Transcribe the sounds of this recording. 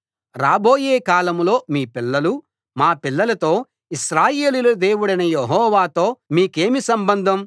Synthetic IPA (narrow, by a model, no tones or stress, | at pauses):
ɾaːboːjeːkaːlɐmlo̞ːmiːpilːɐlu | maːpilːɐlɐt̪o̞ː | iʃɾaːje̞ːlilɐd̪e̞ːwuɽɐjnɐjeɦɔːʋaːt̪o̞ːmiːke̞ːmisɐmbɐnd̪ʱɐm